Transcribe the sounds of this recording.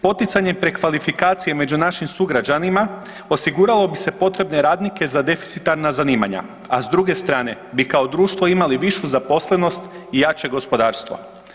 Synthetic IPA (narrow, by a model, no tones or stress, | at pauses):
po̞t̪it̪saɲe̞pɾekʋalifikaːt̪sije̞me̞d͡ʒunaʃimsuɡɾad͡ʒanima | o̞siɡuɾalˠo̞bise̞po̞t̪ɾe̞bne̞ɾaːd̪nike̞zad̪e̞fi̥t̪sit̪aɾnazaniːma̰ɲa̰ | azd̪ɾuɡe̞st̪ɾaːne̞ | bikao̞d̪ɾuːʃt̪ʋo̞imaliʋiʃuzapo̞sle̞no̞st̪ | ijat͡ʃe̞ɡo̞spo̞d̪aːɾst̪ʋo̰